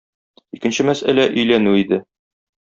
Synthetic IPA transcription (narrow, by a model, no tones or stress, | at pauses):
ikɘ̆nɕɘmæsælæʔɵ̆jlænʉid̪ɘ